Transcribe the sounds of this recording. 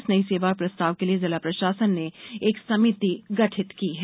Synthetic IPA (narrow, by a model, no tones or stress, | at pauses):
snɐiseːʋak̚pɾɐst̪aːʋkeliezɐlapɾɐʃaːsənːeeːksɐmiːt̪iɡɐʈʰɪt̪kiɦɛː